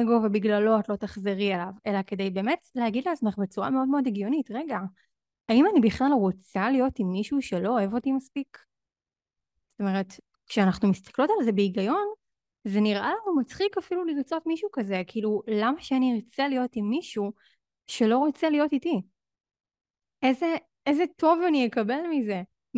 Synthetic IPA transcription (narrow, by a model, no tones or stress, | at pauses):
eɡo̞vebiɡlalo̞atlo̞taχzeʁielave̞lake̞dejbeːme̞tleɦaɡid̪leat͡smeχbet͡suʁa̰meo̞dmeo̞deɡjo̞nitʁe̞ɡa | aimanibiχlalʁot͡salijo̞timːiʃuʃe̞lo̞ːevo̞timaspik | zz̥ot̪o̞me̞ʁet | kʃeanaχnumist̪ḁklo̞talze̞beiɡajo̞n | zeniʁʔalanumat͡sχikafiluliʁt͡so̞tmiʃukaze̞kʰiilulamaʃeaniʁt͡selijo̞timːiʃu | ʃe̞lo̞ʁo̞t͡selijo̞titi | eze | ezetʰo̞vanijekabe̞lmize̞